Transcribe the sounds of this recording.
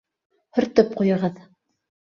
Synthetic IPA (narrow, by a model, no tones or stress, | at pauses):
hɵ̆ɾt̪ɤp̚qujɤ̆ʁɤð